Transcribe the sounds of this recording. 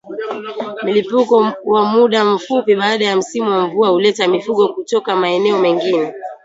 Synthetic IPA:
m̩lipukɔwamuɗam̩fupiɓaːɗajam̩simuwamvuahulɛtamifuɠɔkutɔkamaɛnɛɔmɛŋɡinɛ

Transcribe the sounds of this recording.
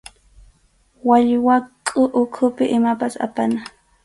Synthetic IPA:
waʎwakʼʊʔʊkʰʊpɪʔɪmapasa̰pana

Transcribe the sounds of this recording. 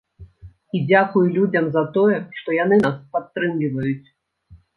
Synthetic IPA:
id͡zʲakujulʲud͡zʲɐmzɐt̪ɔjɛʂt̪ɔjanɨaspat̪ːɾɨmlʲivɐjut͡sʲ

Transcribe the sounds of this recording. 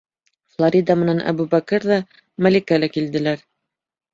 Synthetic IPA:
flˠoɾʲid̪ɑmɤ̆nænʔæ̰bubækɘɾðɑ | mælikælækild̪ɘ̆læɾ

